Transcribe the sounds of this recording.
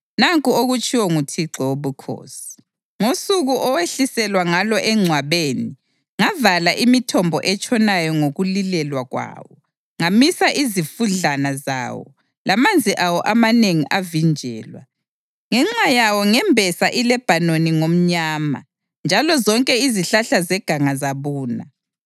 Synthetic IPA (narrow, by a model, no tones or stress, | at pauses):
naŋkʼuoɣut͡ʃʰʼiwɔŋutʰiǀɔwoβukʰo̰ːsi̥ | ŋosuɣuʔɔweɬisɛlwaŋalɔʔɛŋ͡ǀʱwaβeːni | ŋavalaʔimitʰɔmbʱɔʔɛt͡ʃʼɔnajɔŋoɣulilɛlwaɣwa̰ːwɔ | ŋamisaʔizifuɮanaza̰ːwɔ̰ | lamand͡zʱiʔawɔʔamaneŋiʔavind͡ʒʱɛ̰ːlwa̰ | ŋɛŋ͡ǁajawɔŋɛmbʱɛsaʔilɛb̥ʱanoniŋom̩ɲaːma̰ | nd͡ʒʱalɔzɔŋkʼɛiziɬaɬazɛɡ̥ʱaŋazaβuːna̰